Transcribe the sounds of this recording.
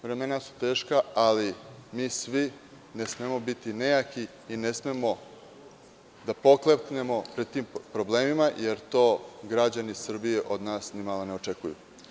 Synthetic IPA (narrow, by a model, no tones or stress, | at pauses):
ʋɾe̞me̞nasu̥t̪e̞ːʃkaalimiːsʋi | nesmemo̞bit̪inejakiː | nesmemo̞ | d̪apo̞klˠet̪ne̞mo̞pɾed̪̚t̪iːmpɾo̞bleːmimaje̞ɾt̪oːɡɾad͡ʑanisr̩bijeʔo̞d̪naːsnimalone̞ot͡ʂekujṵ